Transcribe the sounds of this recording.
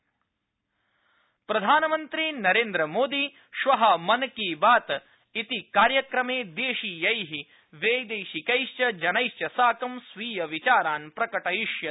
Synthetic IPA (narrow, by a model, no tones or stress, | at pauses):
pɾɐd̪ʱaːnɐmɐnt̪ɾinɐɾeːnd̪ɾɐmoːd̪i | ʃʋɐɦɐmɐnɐkiːbaːt̪ | it̪ikaːɾjɐkɾɐmeːd̪eːʃijɐjɦi | ʋeːjd̪eːʃikɐjʃt͡ʃɐd͡ʒɐnɐjʃt͡ʃɐsaːkɐmsʋiːjɐʋit͡ʃaːɾaːnpɾɐkɐʈɐjiʃjɐ